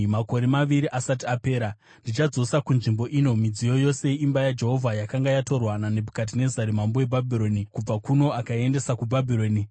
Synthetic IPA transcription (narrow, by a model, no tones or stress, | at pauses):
mako̞ɾe̞maʋiɾiʔasatiape̞ːɾa | ndit͡ʃad͡zo̞sakunʐimbo̞ʔiːno̞mid͡zijo̞jo̞se̞imbajad͡ʒe̞ɦo̞vʱajakaŋɡajato̞rwanane̞bʱukat̬ine̞zaɾimambowe̞bʱabʱiɾo̞nikub͡vakuno̞akae̞nde̞sakubʱabʱiɾo̞ːni